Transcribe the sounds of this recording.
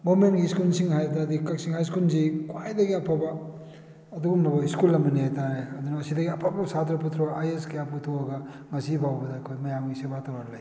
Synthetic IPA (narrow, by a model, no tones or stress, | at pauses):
ɡomentɡiskulsiŋɦajdɐdikɐk̚siŋhajs̬kulzikwajdɐɡiɐpʰabɐː | dubumnɐbɐiskulːɐmbɐnihajtaɾajad̪unɐːsidɐɡiɐpʰabɐsat̪ɾɐp̬ut̪ʰɾoʔajeskɐjap̚kutʰoɐɡɐ | ŋɐsibʱawbɐdɐːkʰojmɐjamɡisebatawɾaɾlaj